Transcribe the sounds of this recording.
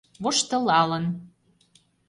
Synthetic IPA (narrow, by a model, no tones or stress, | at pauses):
βoʃt̪ɤ̆lɑlɤ̆n